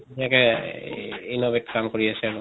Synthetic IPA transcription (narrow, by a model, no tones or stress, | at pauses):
iakɛ | inobeʈkamkoɹiasɛaɹu